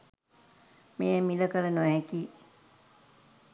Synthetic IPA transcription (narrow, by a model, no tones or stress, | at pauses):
meːmiləkələnuʋɛkiː